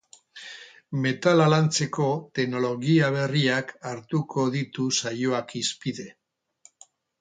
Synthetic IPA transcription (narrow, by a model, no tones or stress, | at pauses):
me̞t̪alalant͡se̞ko̞t̪e̞ɡno̞lo̞ɣiaβ̞e̞riakaɾt̪uko̞ðit̪usajoakispiðe̞